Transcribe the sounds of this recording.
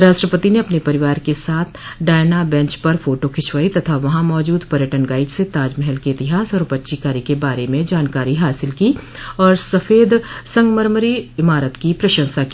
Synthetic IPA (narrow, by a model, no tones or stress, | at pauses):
ɾaːʃʈɾəpət̪ineɐpnepɐɾɪʋaːɾkesaːt̪ʰɖaːɪnabɛ̃ɲt͡ʃpɐɾfʰoːʈokʰɪt͡ʃʰʋaːit̪ɐt̪ʰaʋɐɦãmɔːd͡ʒuːd̪pɐɾjəʈənɡaːɪd͡ʒset̪aːd͡ʒmɛɦɛlkeɪt̪ɪɦaːsɔːɾpɐtːʃikaːɾikebaːɾemẽd͡ʒaːnkaːɾiɦaːsɪlki | ɔːɾsɐfʰeːd̪sɐ̃ŋɡməɾməɾiɪmaːɾət̪kipɾɐʃə̃nsakiː